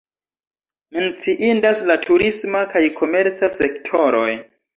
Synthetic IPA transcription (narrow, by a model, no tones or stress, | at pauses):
ment͡siʔindaslatʰuɾismakajkʰo̞me̞ɾt͡sasektʰo̞ɾo̞j